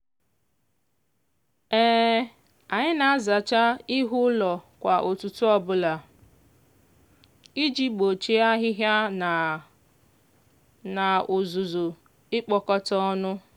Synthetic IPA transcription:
ɛː˦ | a˨ɲɪ˦na˨a˦za˨t͡ʃa˦ɪ˦ɦʊ˦lɔ˨kʷa˨ʔo˨tu˨tʊ˦ɔ˦bʊ˦la˨ | i˦d͡ʒi˦k͡po˨t͡ʃi˦a˦ɦɪ˦ɦja˦n˨ | na˨ʊ˨zu˨zʊ˨ | ɪ˦k͡pɔ˨kɔ˦tɔ˦ɔ˦nʊ˦

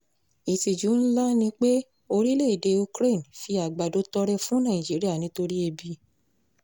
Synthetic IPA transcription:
i˨ti˨d͡ʒu˨˦n̩˦la˦nĩ˧k͡pe˦ | o˧ɾi˦le˦˨de˨˧u˧kɾe˦˨n˨fi˧a˨ɡ͡ba˨do˨˧˦tɔ˧ɾɛ˧fũ˦nã˦˨ĩ˨d͡ʒi˨˦ɾi˦a˦˨nĩ˨˦to˧ɾi˦e˧bi˧˦

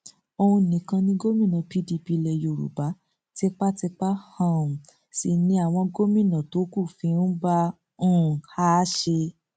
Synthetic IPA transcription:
o˧ũ˧˨nĩ˨˦kã˧nĩ˦ɡo˦mĩ˦˨nã˨pi˧di˧pi˧lɛ˧˨jo˧˨ɾṵ˨ba˨˦ | tɛ˦˧k͡pa˦tɛ˧k͡pa˦hã˦˨ũ˨ | si˨nĩ˧a˨w̃ɔ̃˧ɡo˦mĩ˦˨nã˨to˨˦ku˦˨fĩ˧˦n̩˦bã˦˨ | ha˦ʃe˧

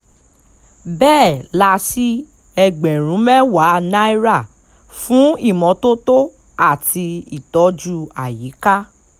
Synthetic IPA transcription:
bɛː˦˨la˧si˦ | ɛ˧ɡ͡bɛ̃˨ɾ̃ũ˨˦mɛ˦wa˨˦nã˦i˦ɾa˦˨ | fũ˨˦i˦˨mɔ̃˨˦to˦to˦ | a˦˨ti˧i˦˨tɔ˨˦d͡ʒu˦a˨ji˨˦ka˦

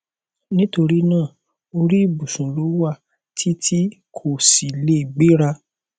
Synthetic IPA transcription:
nĩ˦to˧ɾi˦nãː˦˨ | o˧ɾi˦˨bu˨sũ˨lo˨˦wa˦˨ | tʰi˦tʰi˦kʰo˦˨si˨le˨˦i˨ɡ͡be˦ɾa˧

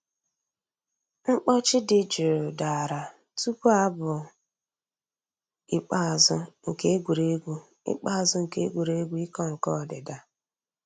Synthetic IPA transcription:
ŋ͡m̩˦k͡pɔ˦t͡ʃɪ˦dɪ˨d͡ʒe˨ɾʊ˨da˨ɾa˨ | tu˦pu˦a˦bʊ˨ | i˨k͡pa˦˨zʊ˦ŋ̩˨ke˦e˦ɡʷu˨ɾe˦ɡʷu˦ | ḭ˦k͡pa˦a˨zʊ˦ŋ̩˨ke˦ɡʷu˨ɾe˦ɡʷu˦i˦kɔ˦ŋ̩˨kɔ˦˨dɪ˨da˨

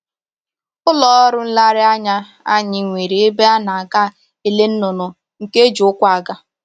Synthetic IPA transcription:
ʊ˦lɔ˨˦ɔ˦ɾʊ˦n̩˦la˦ɾɪ˦a˦ɲa˦ | a̰˦ɲɪ˨ŋʷe˨ɾi˨e˦be˦a˦na˨a˨ɡa˦ | e˦le˦n̩˦nʊ˨nʊ˨ | ŋ̩˨ke˦d͡ʒu˨ʊ˦kʷa˦˨a˨ɡa˦

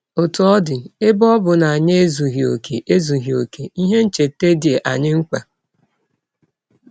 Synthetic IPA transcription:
o˨tu˨ɔ˦dɪ˨ɪ˦bɔ˦bʊ˨na˨a˨ɲe˦e˦zu˨ɦi˨o̰˨kʰe˨ʔe˦zu˨ɦi˨o˨kʰe˨i˦ɦe˦n̩˦t͡ʃe˨tːe˦di˨e˨ʔa˨ɲɪ˦ŋ̩˦kʷa˨

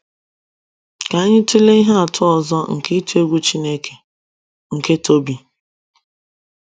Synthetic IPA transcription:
ka˨˦ɲɪ˦tu˦le˦i˦ɦa˦a˨tʰʊ˦ɔ˨zɔ˦ŋ̩˨ke˦tu˦e˦ɡʷu˦t͡ʃi˦ne˦kʰe̥˨ | ŋ̩˨ke˦to˦bi˨

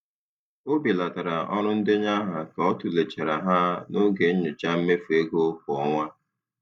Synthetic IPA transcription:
o˦bi˨la˨ta˨ɾa˨ɔ˦ɾʊ˦n̩˦dɪ˦ɲa˦ɦa˨ka˨ɔ˦tʊ˨le˨t͡ʃe˨ɾa˨ɦa˦no˦ɡe˨ɲ̩˦ɲʊ˨t͡ʃa˦m̩˦me˦fu˨e˦ɡo˦kɔ˨ɔ˦ŋʷa˦

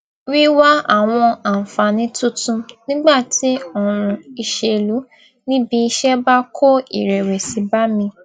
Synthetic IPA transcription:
wi˦wa˦a˦˨w̃ɔ̃˧a˨fa˨nĩ˨˦tu˦tũ˧nĩ˦ɡ͡ba˦˨tʰi˨˦ɔ˦˨ɾ̃ũ˧i˧ʃe˧lu˨˦ | nĩ˦bi˧i˧ʃɛ˦ba˦kʰo˦ḭ˨ɾɛ˨we˨si˨˧˦ba˦mĩ˧

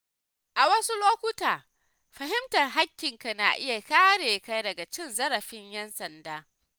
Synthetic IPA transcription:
ʔa˨wɐ˦su˦loː˦kʷʊ˦taː˨ | ɸɐ˨ɦɪ˦mtɐ˨rɦa˦kʲːɪ˨ŋka˨na̰ː˨ʔɪ˦ja˨kaː˦ɽeː˨ka˦jdɐ˨ɡa˨t͡ʃɪ˦˨nzɐ˦ɾɐ˨ɸɪ˦ɲjɛ˦nsɐ˨ndaː˦

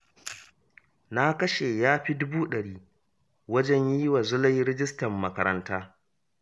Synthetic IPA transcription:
na˦kɐ˦ʃe˨jaː˦ɸi˦dʊ˦buː˦ɗɐ˨ɽiː˦ | wɐ˦d͡ʒɛ˦ɲji˦wa˨zʊ˦lɐ˦jɾɪ˦d͡ʒɪ˦stɐ˨mːɐ˦kɐ˦ɾɐ˦ntaː˦

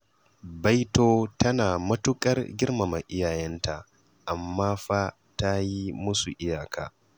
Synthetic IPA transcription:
ba˦jtoː˦tɐ˦naː˨mɐ˦tʊ˦kʼɐ˦rɡʲɪ˦rma˨ma˨ʔɪ˦jaː˨jɛ˦nta˨ʔ | ʔa˨mːaː˦ɸa˦ | ta˦ji˦mʊ˦su˨ʔɪ˦jaː˨kʰa̰ː˨

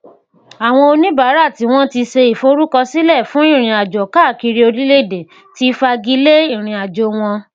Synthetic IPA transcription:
a˨w̃ɔ̃˧o˧nĩ˦ba˨˦ɾa˦˨ti˨˦w̃ɔ̃˦ti˧se˧i˨fo˧˦ɾu˦kɔ˧si˦lɛ˦˨fũ˨˦i˦˨ɾ̃ĩ˧a˨d͡ʒɔ˨ka˦˨ki˧ɾi˧˦o˧ɾi˦le˦˨de˨ | ti˦˧fa˧ɡi˦le˦i˦˨ɾ̃ĩ˧a˨d͡ʒo˨˧w̃ɔ̃˧

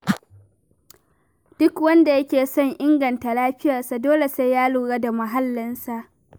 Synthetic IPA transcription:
d̥ʊ˦kwɐ˦nda˨jɐ˦kʲeː˨sɔ˦ŋʔɪ˦ŋɡɐ˨nta˨laː˦ɸɪ˦jɐ˨rsa˨doː˦le˨se˦jjaː˦luː˨ɽaː˦da˨mɐ˨ɦa˦lːɪ˦nsa˨ʔ

